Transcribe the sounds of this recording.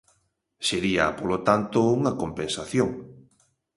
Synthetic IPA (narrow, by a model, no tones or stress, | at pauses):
seɾiɐ̰polot̪ant̪ouŋɐkompensaθjoŋ